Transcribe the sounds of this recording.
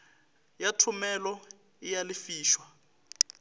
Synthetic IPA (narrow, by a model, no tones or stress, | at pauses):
jatʰumɛlɔ | ijalifiːʃwa